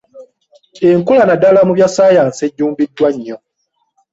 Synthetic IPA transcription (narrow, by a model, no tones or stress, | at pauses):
eŋkulanadalamuβjasaːjaːnseɟːuːmbidːwaɲːo